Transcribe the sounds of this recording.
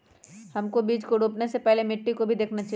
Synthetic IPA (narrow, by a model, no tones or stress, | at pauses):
hɐmkobiːd͡ʒkoɖʱuːpnesepɛɦlemɪʈːikobʱid̪eːkʰnat͡ʃa